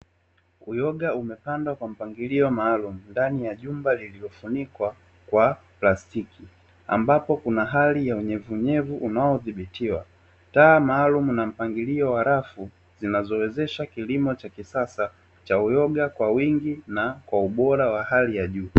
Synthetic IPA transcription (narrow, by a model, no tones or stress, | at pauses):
ujɔɠaumɛpandwakwam̩paŋɡiliɔmaːlumundanijaʄumbalililɔfunikwa | kwa | plastiki | a̰mbapɔkunaɦalijauɲɛvuɲɛvuʔunaɔðiɓitiwa | taːmaːlumunam̩paŋɡiliɔwaɾafu | zinazɔwɛzɛʃakilimɔt͡ʃakisasa | t͡ʃaujɔɠakwawiŋɡinakwauɓɔɾawahalijaʄuː